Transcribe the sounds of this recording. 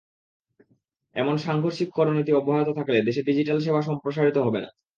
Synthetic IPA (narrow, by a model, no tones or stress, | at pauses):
ɛ̰monʃaŋɡʱoɾʃikkɔɾonit̪̬iɔboɦaot̪ot̪ʰakled̪eʃeɖid͡ʑiʈalʃ̬ebʱaʃ̬ɔmpɾoʃ̬aɾit̪oɦɔbena̰